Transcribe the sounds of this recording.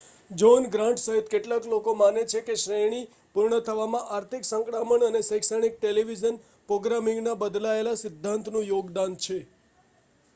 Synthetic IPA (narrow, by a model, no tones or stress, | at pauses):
d͡ʒonɡɾãɳʈsəɦit̪keʈlaklokomanet͡ʃʰekeʃɾeɽ̃i | puɾɳət̪ʰəʋamãʔaɾt̪ʰiksə̃ŋkɽaməɳənesəjksaɽ̃ik̚ʈeliʋid͡ʒən | pɾoɡɾamĩŋɡnabəd̪laelasɪd̪ʱːãnt̪nũjoɡd̪ant͡ʃʰe